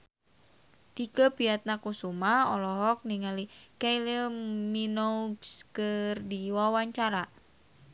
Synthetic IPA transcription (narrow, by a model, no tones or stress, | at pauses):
t̪ikəpiat̪̚nakusumahɔlɔɦɔk̚niŋalikajləminoskərdiwawaɲt͡ʃaɾa